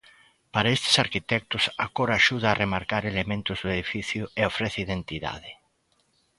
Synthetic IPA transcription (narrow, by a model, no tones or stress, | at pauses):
paɾaest̪e̥saɾkit̪ɛk̚t̪ʊsakoɾaːʃuð̞aːremaɾkaɾelemẽnt̪ʊzðʊeð̞ifiθjʊeofɾeθeiðent̪iða̰ðe